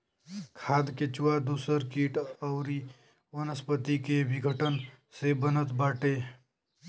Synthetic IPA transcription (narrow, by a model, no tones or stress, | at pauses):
kʰaːd̪ket͡ʃuwad̪usəɾkiʈəʊɾi | wənəspət̪ikebʱiɡʱəʈən | sebənət̪baːʈe